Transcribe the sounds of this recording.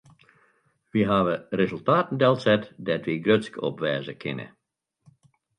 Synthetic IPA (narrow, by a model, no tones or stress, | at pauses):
ʋiɦaʋərezəlˠtaːtən̩dɛlˠsɛtdɛtʋiɡrøtskɔ̰pʋɛːzəkʰɪ̰nə̰